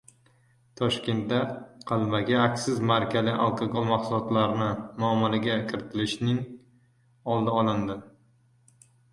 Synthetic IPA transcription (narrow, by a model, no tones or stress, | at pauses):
t̪ʰɒʃkʲe̞nt̪̚d̪aqʰɑlˠmaɡʲaːkʲsɪzmaɾkʲalɪʔa̰lˠkʰaɡolˠmaqsʊlˠɒt̪laɾnɪmʊamːalaɡʲakʲʰɪɾɪt̪ʰɪlɪʃnɪŋ | ɒlˠd̪aɒlˠɪnd̪ɪ